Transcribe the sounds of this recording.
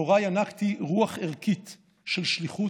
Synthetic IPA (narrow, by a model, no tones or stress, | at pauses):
oʁajanakt̪iʁuaχeʁkit̪ | ʃelʃliχu